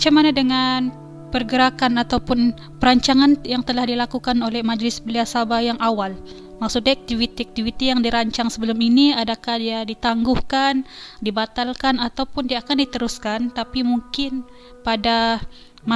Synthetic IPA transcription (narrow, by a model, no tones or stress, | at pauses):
mat͡ʃamanadəŋan | pərɡəɾakanat̪awpʊn | pəɾaɲt͡ʃaŋanjaŋt̪əlahdilakukanolɛhmad͡ʒlɪsbəliasabajaŋawal | maksʊt̪̚naak̚t̪ivit̪iak̚t̪ivit̪ijaŋdiɾaɲt͡ʃaŋsəbəlʊminiadakahdiadit̪aŋɡʊhkandibat̪alkanat̪awpʊndiakandit̪əɾʊskant̪apimuŋkɪn | pada | ma